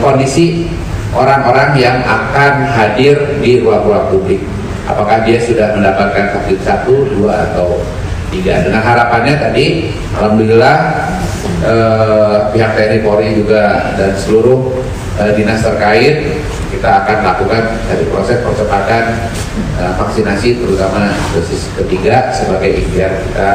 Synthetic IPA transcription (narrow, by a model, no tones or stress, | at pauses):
kondisi | ʔoɾaŋoɾaŋjaŋa̰kanɦadɪrdiɾuaŋɾuaŋpublɪk̚ | ʔa̰pakahdiasudahməndapat̪̚kankapɪt̪sat̪uduaa̰t̪aw | t̪iɡa̰dəŋanɦaɾapanɲat̪adi | ma̰lambilah | ʔə | piɦak̚t̪anipoɾid͡ʒuɡadansəluɾʊh | ʔədinast̪ərkaɪt̪̚ | kit̪aːkanlakukandaɾipɾo̰sɛspəsəpat̪an | əfaksinasip̪əɾut̪amadosɪskət̪iɡasəbaɡajikliarkit̪a